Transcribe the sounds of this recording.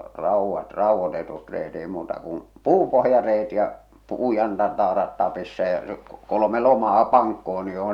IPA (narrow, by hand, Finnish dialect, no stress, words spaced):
rɑˑuʋːɑt rɑˑuʋːotetut reːt eˑi muːtɑ kum puːpohjɑreːt jɑ puːjɑntɑntɑːrɑt tɑpisːɑ jɑ se kolome lomɑː pɑŋkːohon ni joh